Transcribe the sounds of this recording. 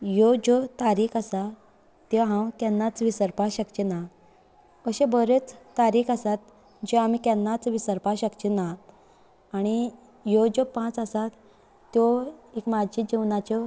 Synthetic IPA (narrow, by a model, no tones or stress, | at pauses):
jod͡ʑɔt̪aɾiːkʰəsa | t̪jɔɦãwkɛ̃nːat͡sʋisəɾpaɕəkt͡ɕena | əɕẽbəɾet͡st̪aɾiːkʰəsat̪̚ | d͡ʑɔamikɛnːat͡sʋisəɾpaɕəkt͡ɕenaː | ɽ̃i | jod͡ʑopãt͡səsat̪ː | jɔekmad͡ʑid͡ʑiʋnat͡ɕɔ